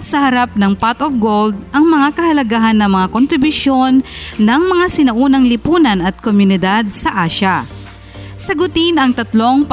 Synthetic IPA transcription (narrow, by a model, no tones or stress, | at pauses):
sɐhɐɾap̚nɐŋpat̪ofɡold̪̚ʔɐŋmɐŋakɐhɐlɐɡahɐnːɐmɐŋakont̪ɾɪbʊsjo̞nːɐŋmɐŋasɪnɐʔuːnɐŋlɪpuːnɐnɐt̪̚komjʊnɪd̪ad̪̚sɐʔaːʃɐ | sɐɡʊt̪ɪnɐŋt̪ɐt̪lo̞ŋp